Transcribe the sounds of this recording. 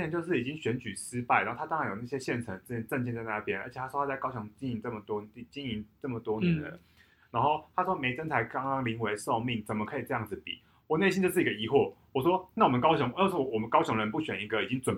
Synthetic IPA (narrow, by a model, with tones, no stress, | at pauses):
ə˧˦t͡ɕjo˧ʂɻ̩˥˩i˨˩i˦ŋɕɥɛ˧˥nt͡ɕy˨˩sɹ̩˥pa˥˩ɪ˩a˧˦˥o˥˩tʰa˥ɑ˥ŋɻnjo˨˩na˥˩ɕjɛ˦˥ɕjɛ˥˩nt͡sʰə˧˥ŋ˥˩˥ʈ͡ʂə˥˧nt͡ɕʰɛ˥˧t͡sa˥˧ɪna˥˩pjɛ˥nə̰˧˥t͡ɕʰj̪ʰa˥ʂwɔ˥tʰa˥t͡sa˥˧kɑ˥ʊɕɔ˧˦ŋt͡ɕi˥ni˧˥ŋt͡sɤ˥˩mə˩t̪wɔ˥˧i˥˩t͡ɕi˥ni˧˥ŋt͡sɤ˥˩mə˩t̪wɔ˥nə˨˦ɻə̰˦ | na˧˥nxo˥˩ʊt̪ʰa˥ʂwɔ˥me˧˥ɪʈ͡ʂə˥nt͡sʰa˧˥ɪkɑ˥ŋkɑ˥ŋli˧˥ŋwe˧˥ɪʂo˥˧ʊmi˥˩ŋt͡sə˨˩mə˩kʰɤ˧˥i˨˩ʈ͡ʂɤ˥˧jɑ˥˩ŋd͡zɹ̩˩pḭ˨˩˦ | wɔ˨˩ne˥˩ɪi˦nt͡ɕjo˥˧ʊʂ̬̩˥˩˨ɡə˧i˧˥xwɔ˥˩wɔ˨˩ʂwɔ˥na˥˩wɔ˨mə˨˦nkɑ˥ʊɕ̬ɔ˧˦ŋ˧˥˧sɔ˥˩˨wɔ˨˩mə˦nkɑ˥ʊɕjɔ˧˥ŋɻə˧˦npu˥˩ɕɥɛ˨˩ni˧˥ɡə˨i˨˩t͡ɕi˦˥ŋt͡swə˨˩n